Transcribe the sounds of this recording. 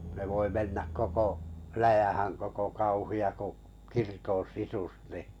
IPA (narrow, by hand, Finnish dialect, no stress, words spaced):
ne ʋoi menːæk koko læjæhæŋ koko kɑuhiɑ ku kirkon̞ sisus ni